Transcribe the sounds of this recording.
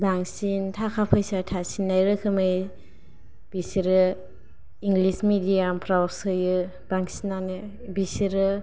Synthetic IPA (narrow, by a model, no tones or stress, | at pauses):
baŋsintʰakʰapʰɯjsatʰasinːajɾɯkʰɯmɯj | b̥isiɾɯ | iŋɡlismidiampʰɾawɾsɯjɯ | b̥aŋsinanɯ | bisiɾɯ